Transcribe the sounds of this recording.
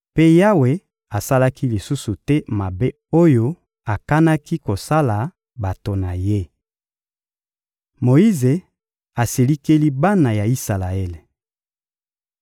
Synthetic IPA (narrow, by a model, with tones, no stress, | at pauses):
pe˦ja˦we˨ | a˨sa˦la˦ki˦li˨su˦su˨tɛ˦ma˨be˦ | o˦jo˦ | a˨ka˦na˦ki˦ko˨sa˦la˨ | ba˨to˨na˨je˦ | mo˨i˦ze˨ | a˨se˨li˦ke˦li˦ba˦na˨ja˨i˦sa˨la˨e˦le˨